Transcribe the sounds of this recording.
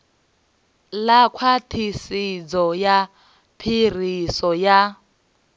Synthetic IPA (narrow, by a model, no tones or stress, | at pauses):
lakʰwatʰisid͡zɔja | pʰir̤isɔja